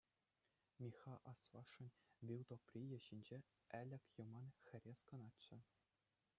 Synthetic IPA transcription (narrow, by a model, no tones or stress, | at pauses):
mʲixɑʔɑsʋɑʂːɤ̆nʲʋʲilˠd̪oprʲijɘ̆ɕinʲd͡ʑe | ælʲɘ̆kʲjɤ̆mɑnxʲɘ̆rʲeskɤ̆nɑːɘ̆